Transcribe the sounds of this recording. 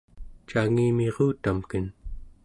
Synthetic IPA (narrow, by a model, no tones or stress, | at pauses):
t͡ʃaŋiːmeʁuːt̪amkən